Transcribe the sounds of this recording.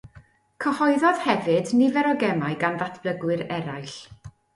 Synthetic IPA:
kʰəhɔɨðɔð̥hɛvɨdnivɛɾɔɡɛmaɨɡanðatʰb̥ləɡwɨɾɛɾajɬ

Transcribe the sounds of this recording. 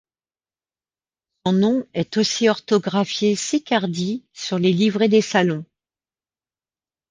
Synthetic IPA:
sɔ̃nɔ̃ɛt̪osiɔʁt̪ɔɡʁafjesekʲaʁd̪isyʁlelivʁed̪esalɔ̃

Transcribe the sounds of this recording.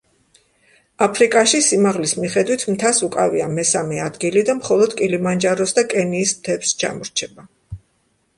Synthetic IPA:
apʰɾikʼaʃisimaʁlismiχɛd̪wit̪ʰmt̪ʰasukʼaviamɛsamɛad̪ɡilid̪amχɔlˠɔd̪kʼilimand͡ʒaɾɔsd̪akʼɛniːst̪ʰɛpst͡ʃʰa̰mɔɾt͡ʃʰɛba

